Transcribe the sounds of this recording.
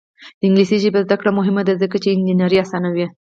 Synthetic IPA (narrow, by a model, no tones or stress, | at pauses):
d̪̥əɪŋɡlisiʒibazd̪akɽamʊɦɪmad̪azəkat͡ʃeɪnd͡ʒinaɾiasɑnawi